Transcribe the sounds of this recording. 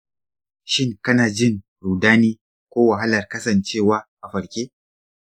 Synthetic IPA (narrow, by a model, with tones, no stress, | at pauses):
ʃɪ˦ŋkɐ˦naː˨d͡ʒɪ˦ŋ | ɾuː˨daː˦niː˦ | kʷoː˦wɐ˨ɦa˦lɐ˨rkɐ˦sɐ˨nt͡ʃeː˦˨waː˦ʔa˨ɸɐ˨ɽkʲeː˦